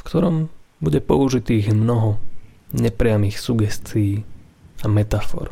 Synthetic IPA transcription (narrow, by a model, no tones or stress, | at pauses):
fkt̪ɔɾɔmbuɟɛpɔ̰uʒit̪iːɣmnɔɦɔɲɛpɾɪamiːxsuɡɛst͡sijiː | amɛt̪afɔ̰ɾ